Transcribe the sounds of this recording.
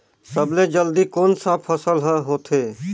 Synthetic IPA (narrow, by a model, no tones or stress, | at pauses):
səbled͡ʒəld̪ikoːnsãpʰəsəlɦãɦoːt̪ʰeː